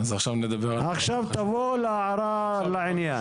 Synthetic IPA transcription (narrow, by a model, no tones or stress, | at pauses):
azaχʃavned̪abeʁaχʃavt̪avolaaʕɾa | laʕɪnjan